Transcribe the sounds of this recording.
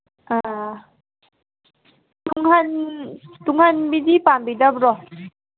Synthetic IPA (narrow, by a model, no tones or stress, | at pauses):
ʔa | t̪uŋhant̪uŋhanbidipaːnbidapɾɔ